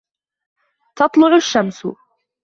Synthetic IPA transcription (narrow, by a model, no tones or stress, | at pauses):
t̪ɑt̪ˤlʊʕʊʃːamsʊ̰